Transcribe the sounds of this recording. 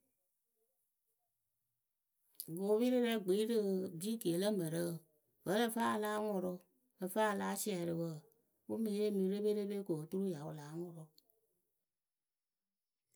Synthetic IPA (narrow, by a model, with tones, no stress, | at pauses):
ɡo˨˦βi˦ɾɨ˦ɾɛ˧˦ɡ͡bi˨˦ɾɨ˧˦˨bi˦ɡe˨˦lə˦mə˨ɾə˦˨ | və˨˦lə˦˨˦faː˦a˧laː˦ŋʊ˨ɾɔ˧ | ə˧faː˦˧laː˦si˦ɛ˨ɾɨ˨wə˨ | u˦mĩ˨˦e˦mĩ˨˦ɾe˦be˦ɾe˦be˦ko˨tu˦ɾu˦ja˨u˨laː˨˦ŋɔ˨ɾɔ˨